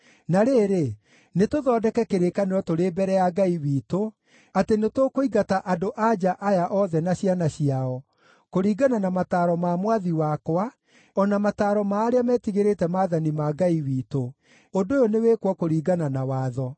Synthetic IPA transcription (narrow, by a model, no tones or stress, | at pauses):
naɾeːɾe | netoðɔːdɛkɛkeɾekaneɾɔtoɾeːbɛɾɛjaɡaiwiːto | atenetokoiɣataʔadoʔad͡ʒaʔajaʔɔðɛnaɕjanaɕiaɔ | koɾiːɡananamataːɾɔmamwaðiwakwa | ɔnamataɾɔmaːɾeamɛːtiɣeɾetɛmaːðanimaɡaiwiːto | ondojoneweːkwɔkoɾiːɡananawaːðɔ